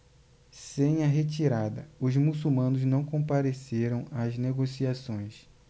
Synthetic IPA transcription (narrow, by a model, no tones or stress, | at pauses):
sẽj̃ɐɦet͡ʃiɾad̪ɐʊzmusumɐ̃nʊznɐ̃w̃kõmpaɾeseɾɐ̃w̃azneɡosiasõj̃s